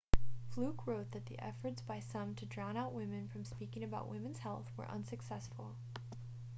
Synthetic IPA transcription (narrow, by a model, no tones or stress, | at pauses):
flʉkʰɹoʊt̪̚ðɨt̪̚ðḭʔɛ̰fə˞tsb̥aɪsʌ̃mtʰɨdɹɑ̃ʊ̃naʊʔ̚wɪ̃mɨ̃nfɹʌ̃mspikɪ̃ŋɨbaʊʔwʔɪ̃mɨ̃nz̥hɛlˠθwə̰˞ʔʌ̰̃nsɨksɛsfl̩ˠ